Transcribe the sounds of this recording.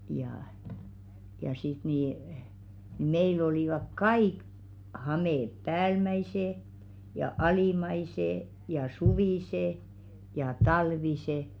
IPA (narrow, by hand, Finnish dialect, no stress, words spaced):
jɑh̆ jɑ sit niˑ meil oliˑʋɑk kɑiˑk hɑmeˑp̆ pæːlmæiseˑ jɑ ɑliˑmɑiseˑ jɑ suʋiˑseˑ jɑ tɑlʋise